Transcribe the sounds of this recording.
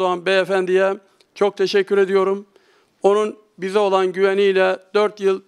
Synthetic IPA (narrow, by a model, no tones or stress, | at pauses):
oanbɛefænd̪ijɛ | t͡ʃʰo̞k̚t̪ʰeʃɛcʰːyɾe̞d̪ijo̞ɾum | o̞nun | bizɛo̞lˠanɟyvɛniːlʲɛd̪̥øɾt̪jɯlˠ